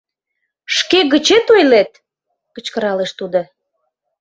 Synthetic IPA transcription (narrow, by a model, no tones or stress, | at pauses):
ʃkeɣət͡ɕet̪ojlet̪̚ | kə̆t͡ɕkəɾɑleʃt̪ud̪o